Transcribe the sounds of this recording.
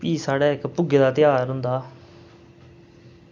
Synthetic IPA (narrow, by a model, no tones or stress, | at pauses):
iːsaːɽaːɪkpʊɡed̪aːt̪ɪjaːɾɦʊ̃nd̪aː